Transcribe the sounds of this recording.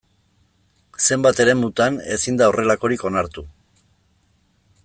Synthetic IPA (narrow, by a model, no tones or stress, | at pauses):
se̞mbat̪e̞ɾe̞mut̪ane̞sind̪aore̞lako̞ɾiko̞naɾt̪u